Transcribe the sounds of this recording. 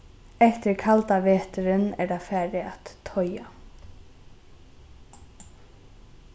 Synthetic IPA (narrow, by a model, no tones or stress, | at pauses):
ɛht̪ɪɾkʰalt̪aʋeːt̪ʏɾɪnɛɾðafæːɾɪat̪ʰːɔja